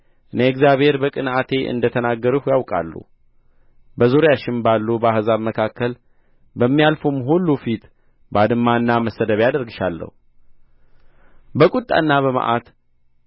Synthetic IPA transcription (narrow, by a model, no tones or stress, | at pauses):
ʔɨneɛɡzjaβhe̞ɾbəkʼɨnʔat̪ʰe̞ʔɨ̰nd̪ət̪ʰənaɡːəɾuhjawkʼa̰lːṵ | bəzuɾjaʃɪnbalːubəahzaβməkʰakːəl | bəmːijalfumɦulːufit̪ | bəad̪ɨmːanːaməsəd̪əβjad̪əɾɡɨʃalːə̰hu | bəkʼut̪ʼːa̰nːaβəma̰ʔat̪